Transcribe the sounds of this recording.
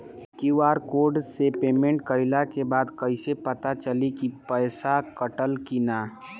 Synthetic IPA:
kiʋaːɾkoːɾɖsepeːmẽɳʈkəɪlakebaːd̪kəɪsepət̪at͡ʃəlikipəɪsakəʈəlkinaː

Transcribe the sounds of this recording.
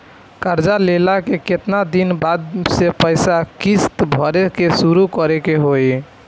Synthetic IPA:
kəɾd͡ʒalelakeket̪nad̪inbad̪̚sepəɪsakist̪bʱɔɾekesuɾukəɾekeɦoj

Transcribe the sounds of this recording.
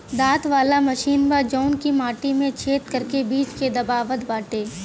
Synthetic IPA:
d̪aːt̪ʋaːlamɐʃiːnbad͡ʒɔːʊnkimaːʈimẽt͡ʃʰeːt̪kəɾkebiːt͡ʃked̪ɐbaːʋət̪baːʈeː

